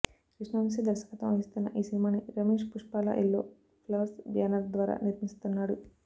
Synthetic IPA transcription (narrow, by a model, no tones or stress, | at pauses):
kɾiʂɳɐmsid̪ɐɾʃɐ̥kɐt̪ɐmɐɦist̪unːɐ̰ʔiːsinimaːniɾɐmeːʂpuʂpaːla̰ʔelːoː | pʰlɐʋɾsbʱjaːnɐd̪ʋaːɾa̰ːniɾmist̪unːaːɽu